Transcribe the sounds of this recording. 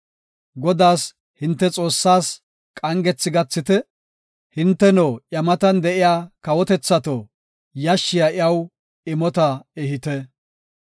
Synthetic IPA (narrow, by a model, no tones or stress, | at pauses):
ɡɔd̪aːs | hɪnt̪ːɛt͡sʼo̞ːsːaːs | kʼɐŋɡɛt͡sːɪɡɐt͡sːɪt̪ɛ | hɪnt̪ːɛnoːʔjɐmɐt̪ɐnd̪ɛʔɪjaːkɐwɔt̪ɛt͡sːɐt̪o | jɐʃːɪjɐʔɪɐw | ɪmɔt̪ɐɛhɪt̪ɛ